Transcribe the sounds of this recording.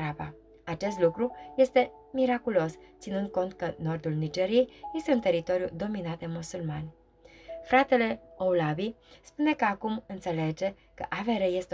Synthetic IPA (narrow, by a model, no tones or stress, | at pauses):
aba | at͡ʃe̞st̪lukɾuje̞st̪e̞ | miɾakulo̞st̪sinɨnd̪̚ko̞nt̪̚kəno̞rd̪ulnid͡ʒe̞ɾije̞jje̞st̪e̞unt̪e̞ɾit̪o̞ɾjud̪o̞minat̪̚d̪e̞musulmanʲ | fɾat̪e̞le̞owlabi | spune̞kəakumɨnt̪se̞le̞d͡ʒe̞ | kə̰ʔaveɾeje̞st̪e